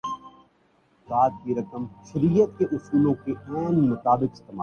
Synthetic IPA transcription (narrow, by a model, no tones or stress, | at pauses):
zaːt̪̚kiɾɐkəmʃɐɾiːjət̪̚keʔʊsuːlõkeʔɛ̃ːnːɐt̪aːbɪkɪst̪eːmaː